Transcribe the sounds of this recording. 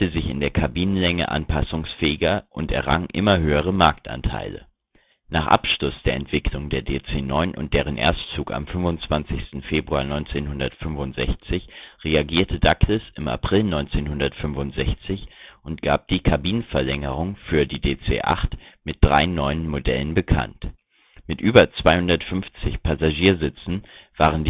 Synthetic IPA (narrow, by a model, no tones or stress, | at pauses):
əzɪçɪ̰ndeːɐkʰabiːnənlɛŋə̰ʔa̰npʰasʊŋsfɛːɪɡɐʔʊntɛ̰ɐʁa̰ŋʔɪ̰mɐɦøːəʁ̞əmaɐk̚tʔa̰ntʰa̰ɪlə̰ | naːχʔa̰pʃlʊsd̥eːɐɛntv̥ɪkʰlʊŋdeːɐdeːt͡seːnɔʏnʔʊ̰nt̚d̥eːʁ̞ənʔḛːɐstt͡suːka̰mfʏnvʊnt͡sv̥ant͡sɪçstn̩feːbʁuaːnɔʏnt͡seːnhʊndɐtfʏnvʊntz̥ɛçt͡sɪçʁeaɡiːɐtʰədakɪsɪma̰pʁ̥ɪlnɔʏnt͡seːnhʊndɐtfʏmvʊntz̥ɛçt͡sɪçʔʊntɡ̥a̰ːp̚d̥iːkʰabiːnənfɛɐlɛŋəʁ̞ʊŋfyːɐdiːdeːt͡sḛːʔa̰χtmɪt̚d̥ʁa̰ɪnɔʏənmodɛ̰lənbəkʰa̰nt | mɪtʔyːbɐt͡sv̥aɪhʊndɐtfʏnft͡sɪçpʰazaʒiːɐzɪt͡sn̩v̥aːʁ̞ənd